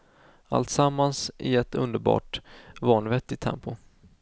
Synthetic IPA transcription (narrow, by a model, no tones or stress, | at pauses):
a̰lt̪samːansʔɪ̰ɛt̪ʰɵ̰nd̪əɾbɑ̰ːʈvɑːɳvɛt̪ːɪt̪ʰɛ̰mpʊ